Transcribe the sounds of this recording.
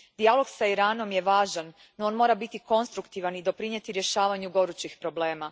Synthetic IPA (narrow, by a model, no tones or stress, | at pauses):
d̪ialˠo̞ɡsaiɾaːno̞mje̞ʋaːʒanː | ooːnmo̞ɾabit̪iko̞nst̪ɾukt̪iʋanid̪o̞pɾiɲe̞t̪iɾje̞ʃaːʋaɲuɡo̞ɾut͡ɕixpɾo̞ble̞ːma